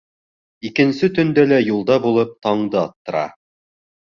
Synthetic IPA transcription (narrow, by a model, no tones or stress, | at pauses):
ikɘ̆nsɘt̪ɵ̆nd̪ælæjulˠd̪ɑbulˠɤp̚t̪ɑɴd̪ɤɑt̪ːɤ̆ɾɑ̰